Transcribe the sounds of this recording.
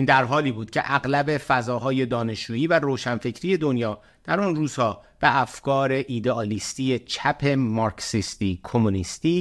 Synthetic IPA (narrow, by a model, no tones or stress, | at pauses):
ind̪æɾɦɒːliːbuːd̪̚cʰe̞̰ʔæɣlæbe̞fæzɒːɦɒːje̞d̪ɒːne̞ʃd͡ʒuːiːvæɾoːʃænfe̞cʰɾiːje̞d̪o̞njɒː | d̪̥æɾunruːz̥hɒːb̥eʔæfkɒːɾe̞ʔiːd̪eɒlist̪ijet͡ʃʰæpʰe̞mɒɾksist̪iːkʰo̞munist̪iː